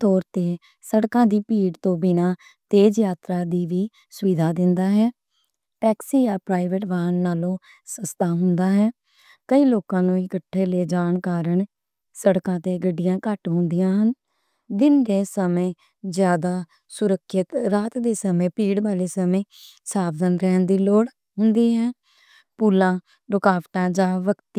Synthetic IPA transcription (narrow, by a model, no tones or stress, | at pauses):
t̪ɔːɾt̪eː | səɽkãːd̪iːpiːɽt̪õːbɪnaː | t̪eːd͡ʒjaːt̪ɾaːd̪iːʋiː | sʊʋiːd̪ʱaːd̪ɪnd̪aːɦɛː | pɛːksiːjaːpɾaːɪʋeʈʋaːənːaːlõː | səst̪aːɦʊnd̪aːɦɛː | kəiːloːkãːnũːɪkəʈʰːeːleːd͡ʒaːɳkaːɾəɳ | səɽkãːt̪eːɡəɖːɪjãːkəʈɦʊ̃nd̪ɪjãːɦən | d̪ɪndeːsəmẽː | zjaːd̪aː | sʊɾəkʃɪt̪ɾaːt̪d̪eːsəmẽːpiːɽbaːleːsəmẽː | saːbd̪ənɾɛːnd̪iːloːɽ | ɦʊnd̪iːɦɛː | puːlãː | ɾʊkaːʋʈãːd͡ʒãːʋəkt̪iː